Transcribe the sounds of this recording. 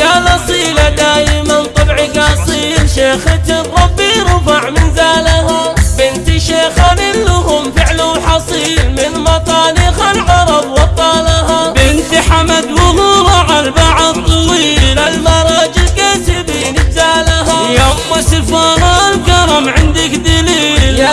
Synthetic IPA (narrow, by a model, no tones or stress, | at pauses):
jalɑsˤiːlad̪aːjɪmant̪ˤɑbʕɪɡasˤiːʃeːxɪt̪ɪɾˤɑbːiɾˤɑfaʕmɪnzaːlahabɪnt̪ʃeːxanɪlːʊɦʊmfɪʕlʊwħɑsˤiːlmɪnmɑt̪ˤɑːlɪxalʕɑɾˤɑbwɑt̪ˤːɑːlahabɪnt̪iħamad̪wʊɦʊɾˤɑʕalbaʕat̪ˤːɑwiːlalmɑɾˤɑd͡ʒɪlkaːt̪ɪbiːnɪbzaːlaɦajamːʊsɪfɑːɾˤɑlkɑɾˤɑmʕɪnd̪ɪkd̪aliːl